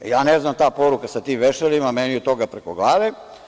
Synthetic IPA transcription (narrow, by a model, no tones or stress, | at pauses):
jaːneznamt̪aːpo̞ɾukasat̪iːmʋeʃelimameniot̪ːo̞ɡapɾeko̞ɡlˠaːʋe